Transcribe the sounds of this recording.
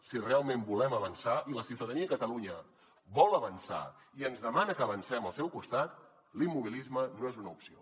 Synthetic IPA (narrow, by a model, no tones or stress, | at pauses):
sirealˠmembulɛməβənsaʔiləsiuwt̪əðəniəkət̪əluɲə | bɔlˠəβənsa̰ | iənzðəmanəkəːβənsɛməlˠsɛwkust̪at̪ | limːuβ̞ilizmənoezunəupsio̰